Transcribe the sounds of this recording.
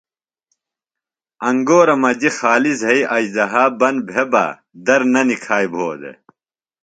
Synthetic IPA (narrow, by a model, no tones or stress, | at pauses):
ɐŋɡoːɾɐmɐd͡ʑixaːlizɦɐiʔɐd͡ʑd̪ɐɦaːbɐnbʱeba̰ | d̪ɐɾnɐnikʰaːjbʱoːd̪ḛ